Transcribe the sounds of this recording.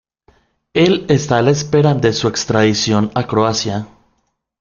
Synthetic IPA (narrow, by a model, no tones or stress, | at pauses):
e̞le̞st̪aːlaespe̞ɾaðe̞sue̞kst̪ɾaðisjo̞nakɾoasja